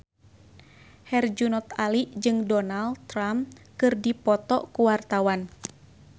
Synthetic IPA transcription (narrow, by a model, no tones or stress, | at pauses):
hɛrd͡ʒunɔt̪aliʔd͡ʒɨŋdɔnalɾamkɨrdipɔt̪ɔkuwart̪awan